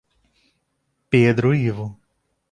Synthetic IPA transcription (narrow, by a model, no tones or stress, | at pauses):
ped̪ɾʊivʊ